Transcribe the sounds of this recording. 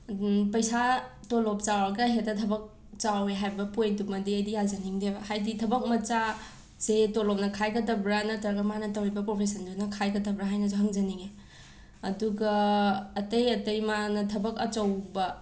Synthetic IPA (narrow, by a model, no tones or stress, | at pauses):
pɐjsatolop̚t͡ʃawɾɐɡɐɦetɐtʰɐbɐk̚ | t͡ʃaweɦajbɐpojdumɐdiɐjdijazɐniŋdehajditʰɐbɐk̚mɐt͡ʃa | zetolop̚nɐkʰajɡɐdɐbɾanɐtɐɾɡɐmanɐtɐwɾibɐpɾopʰesɐndunɐkʰajkɐtɐbɾaɦajnɐzɦɐŋzɐniŋe | ɐduɡɐː | tɐjɐtɐjmanɐtʰɐbɐkɐt͡ʃɐwbɐ